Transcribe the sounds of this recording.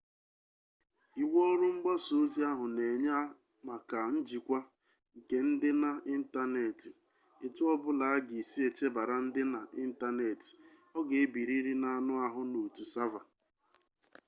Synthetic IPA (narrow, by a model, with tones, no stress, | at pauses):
i˨wɔ˦ɾʊ˦ŋ͡m̩˦ɡ͡bɔ˦so˨˦zi˦a˦ɦʊ˨ne˨ɲa˦ | ma˨ka˨n̩˦d͡ʒi˨kʷa˦ | ŋ̩˨ke˨n̩˦dɪ˦na˨i˦n̩˦ta˦ne˨tɪ˨ | e˨tʊ˦ɔ˦bʊ˦la˨a˦ɡi˨si˦e˨t͡ʃe˦ba˨ɾa˨n̩˦dɪ˦na˨ʔi˦n̩˦ta˦ne˨ti̥˨ | ɔ˦ɡe˨e˦bi˨ɾi˦ɾi˦na˨nʊ˦a˨ɦʊ˦no˨tu˨sa˦va˨